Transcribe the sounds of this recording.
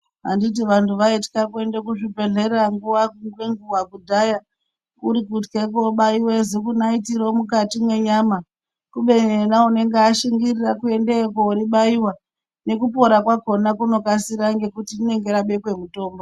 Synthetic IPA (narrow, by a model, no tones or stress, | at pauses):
a̰ndit̬iʋantuʋaitkakue̞ndek̬uʐibʱe̞ɮe̞reaŋɡuwaŋɡweŋɡuwaɡudʱaja | uɾikutkek̬oɓaiwezikunaitiɾomukatimwe̞ɲama | kuɓe̞ɲenaune̞ŋɡeaʃiŋɡirirakue̞ndekoɾiɓaiwa | ne̞kupo̞ɾakwako̞nakuno̞kasiɾaŋɡe̞kutiine̞ŋɡe̞ɾaɓe̞kwe̞muto̞ːmbo